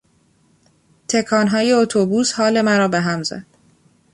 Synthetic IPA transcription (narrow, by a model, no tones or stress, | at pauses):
t̪ʰe̞kʰɒːnɦɒːje̞ot̪ʰobuːshɒːle̞mæɾɒːbeɦæmzæ̰d̪̥